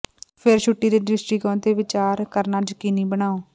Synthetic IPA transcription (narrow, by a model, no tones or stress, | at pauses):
pʰɪɾʃuʈːiːd̪eːɖɪsʈɾiːkɔ̃ːnd̪eːʋɪt͡ʃaːɾkəɾnaːd͡ʒəkiːniːbəɳ̃aːoː